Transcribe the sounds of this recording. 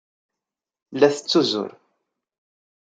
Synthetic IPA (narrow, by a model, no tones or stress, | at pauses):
lːæθə̥t͡sːuzʊ̰ɾ